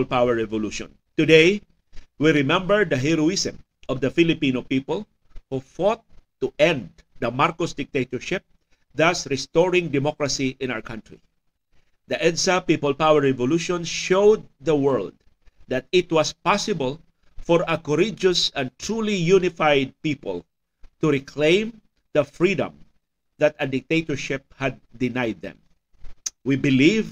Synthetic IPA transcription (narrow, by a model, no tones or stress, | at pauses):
lpawɛɹɹɛvɔluʃɔ̰̃n | t̪ud̪ej | wiɾɪmɛ̃mbəɹd̪ɐɦiɾuɪsɛ̰̃m | ʔɔvd̪ɐfilɪpĩnopipəl | hufɔt̪ː | uʔɛ̃nd̪d̪ɐmaɹkɔsd̪ɪk̚t̪et̪ɔɹʃɪp̚ | ðasɹɛst̪ɔɹɪ̃ŋd̪ɛmɔkɹɐsiʔɪ̃na̰wəɹkʰãnt̪ɹḭ | d̪ɐʔɛnsapipəlpawɛɹɛvɔluʃɔ̃nʃowd̪̚ːɐwɛɹld̪̚ | d̪at̪̚ɪt̪wʌspasɪbəl | fɔɹɐkɔɾɪd͡ʒʊsɐ̃nt̪ɹulijunɪfajd̪̚pipə̰l | t̪uɾɪkʰlẽɪ̃m | d̪ɐfɹid̪ɐ̰̃m | ðɐt̪ɐd̪ɪk̚t̪ejt̪ɔɹʃɪp̚hæd̪̚ːɪnajd̪̚ɛ̰̃m | wibɪliv